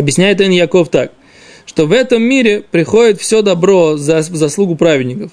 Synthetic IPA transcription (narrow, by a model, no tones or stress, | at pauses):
ɐbjɪsʲnʲæjɪt̪ɛnjaɐko̞ft̪ak | ʂt̪ovɛt̪əmːʲiɾʲɪpɾʲɪxo̞dʲɪt̪fsʲod̪ɐbɾozɐvzɐslˠuɡʊpɾavʲɪdʲnʲɪkəf